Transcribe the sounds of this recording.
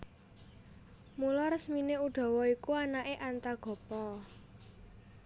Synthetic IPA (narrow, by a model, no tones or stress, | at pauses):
mulɔrsmineuɖ̥ɔ̤wɔikuanaʔeʔant̪aɡ̥ɔ̤pɔ